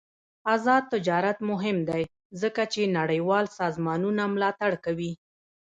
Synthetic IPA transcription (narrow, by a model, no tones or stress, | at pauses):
azɑd̪̚t̪ɪd͡ʒɑɾat̪mʊɦɪmd̪aj | zəkat͡ʃenaɽəjwɑlsɑzmɑnunamlɑt̪aɽkawi